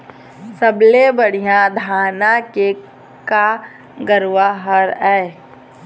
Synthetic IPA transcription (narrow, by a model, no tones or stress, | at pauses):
səblebəɽ̤ijãd̪ʱaːnake | ka | ɡəɾʋaɦəɾɛː